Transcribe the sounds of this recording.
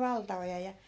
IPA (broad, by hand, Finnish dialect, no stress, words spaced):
ʋɑltɑojɑ jɑ